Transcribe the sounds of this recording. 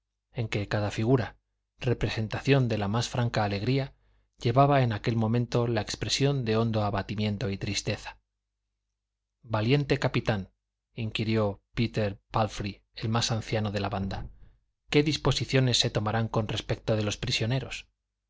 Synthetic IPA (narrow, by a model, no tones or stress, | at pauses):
e̞ŋke̞kaðafiɣ̞uɾa | re̞pɾe̞se̞nt̪aθjo̞nd̪e̞lamasfɾaŋkaːle̞ɣ̞ɾia | ʎe̞βaβae̞nake̞lmõ̞mẽnt̪o̞laekspɾe̞sjo̞nd̪e̞o̞nd̪o̞aβat̪imjẽ̞nt̪o̞it̪ɾist̪e̞θḁ | balje̞nt̪e̞kapit̪an | iŋkiɾjo̞pit̪e̞ɾpalfɾi | e̞lmasan̟θjano̞ð̞e̞laβand̪a | ke̞ðispo̞siθjo̞ne̞sːe̞t̪o̞maɾaŋko̞nre̞spe̞k̚t̪oðe̞lo̞spɾisjo̞ne̞ɾo̞s